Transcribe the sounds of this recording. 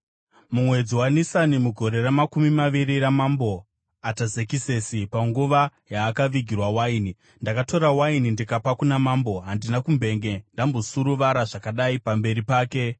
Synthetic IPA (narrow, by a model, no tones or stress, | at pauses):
mumwe̞d͡ziwanisanimuɡʱo̞ɾe̞ramakumimaʋiɾiramambo̞ | atazekise̞sipaŋɡuʋajaːkaʋiɡʱirwawaini | ndakato̞ɾawainindikapakunamambo̞ɦandinakumbʱe̞ŋɡe̞ndambo̞suɾuʋaɾaʐakaɗaipambe̞ɾipaːke̞